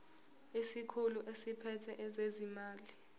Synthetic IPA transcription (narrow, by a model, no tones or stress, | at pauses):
isikʰuluʔesipʰɛtʰɛʔɛzezimaːli